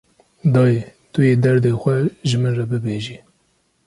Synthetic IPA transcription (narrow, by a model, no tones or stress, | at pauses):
d̪ɑːjet̪ʊjeːd̪ɛɾd̪eːxʷɛʒɨmɨnrɛbɨbeːʒiː